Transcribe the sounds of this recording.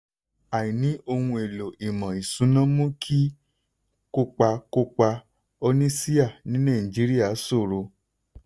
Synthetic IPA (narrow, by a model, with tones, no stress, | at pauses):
a˨ĩ˨nĩ˨˦o˧hũ˧e˨lo˨i˨mã˨i˨sũ˨˦nã˦mũ˦kʰi˦ | ko˦k͡pa˧ko˦k͡pa˧ | o˧nĩ˦si˦a˦˨nĩ˨˦nã˦˨i˨d͡ʒi˨˦ɾi˦a˦˨˦so˦˨ɾo˧